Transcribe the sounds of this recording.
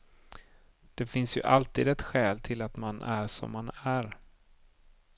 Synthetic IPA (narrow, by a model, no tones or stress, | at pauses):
d̪̥ɛfɪnsjɵ̰ʔalt̪iːd̪ɛt̪ɧɛːlt̪ʰɪlat̪manʔæɾʂɔ̰mːanæɾ